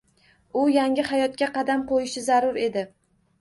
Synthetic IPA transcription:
ʊjaŋʲɪhajɒt̪̚kʲaqɑd̪amqojɪʃɪzaɾʊɾe̞d̪ɪ

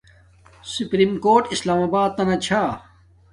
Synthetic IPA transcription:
supɾimkoːʈislaːmaːbaːd̪̚t̪ɐnɐt͡ɕʰa

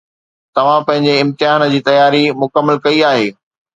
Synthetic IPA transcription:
t̪ɐʋ̤ãpɐ̃ɦɪ̃ɲd͡ʑeɪ̃mt̪ɪɦaːnə̆d͡ʑiːt̪ɐjaːɾimʊkəmːəlkɐiaːɦeː

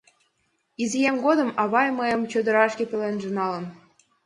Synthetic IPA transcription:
izijæmʲɡod̪ɤ̆mɑβɑjmɤjɤ̆mt͡ɕød̪ɤ̆ɾɑʃkʲĕpʲĕlenʒĕnɑlɤ̆n

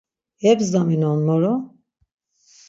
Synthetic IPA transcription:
ɛbzd̪aminɔnmɔɾɔ

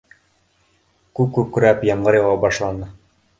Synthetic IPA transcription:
kʉk̚kːʉp̚kɵ̆ɾæpjɤ̆ɴɢɤɾjɑ̆wɑbɑʃlˠɑnɤ

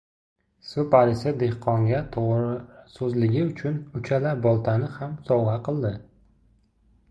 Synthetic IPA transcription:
sʊpaɾɪsɪd̪e̞hqʰɒŋɡʲat̪ʰosɵzlɪɡʲɪʊt͡ʃʰʊnʊt͡ʃʰalaɾbɒlˠt̪ʰanɪhamsɒwʁɑqʰɨlˠd̪ɪ

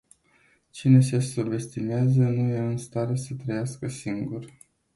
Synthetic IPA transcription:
t͡ʃine̞se̞suve̞st̪imeazənujeɨnst̪aɾe̞sət̪ɾəjaskəsiŋɡur

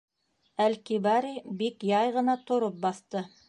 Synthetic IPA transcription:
ælkiβɑɾibikjɑjʁɤ̆nɑt̪ŏɾop̚bɑθt̪ɤ

